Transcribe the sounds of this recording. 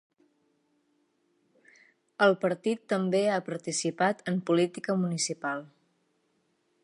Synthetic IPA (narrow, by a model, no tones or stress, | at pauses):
əlˠpəɾt̪it̪ːəmbeapəɾt̪isipat̪əmpulit̪ikəmunisipalˠ